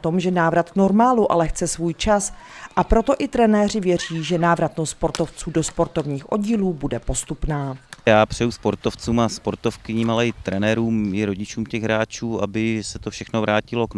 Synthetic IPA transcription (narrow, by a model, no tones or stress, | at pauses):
t̪o̞mʒɛnaːvɾat̪kno̞ɾmaːluʔa̰lɛxt͡sɛsvuːjt͡ʃasʔapɾo̞t̪o̞ʔɪt̪ɾɛnɛːr̝ɪvjɛr̝iːʒɛnaːvɾat̪nosspo̞ɾt̪o̞ft͡suːdospo̞ɾt̪ovɲiːxʔo̞̰ɟiːluːbudɛpo̞st̪upnaːjaːpr̝̥ɛjuspoɾt̪oft͡suːmaspo̞ɾt̪ofkɪɲɪmalɛɪt̪ɾɛnɛɾuːmɪɾo̞ɟɪt͡ʃuːmcɛɣɦɾaːt͡ʃuːabɪsɛt̪ofʃɛxnovɾaːcɪlo̞kn